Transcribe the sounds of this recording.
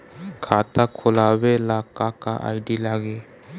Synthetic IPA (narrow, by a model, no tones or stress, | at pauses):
kʰatakʰɔlabelakakaʔa̰jdilaɡi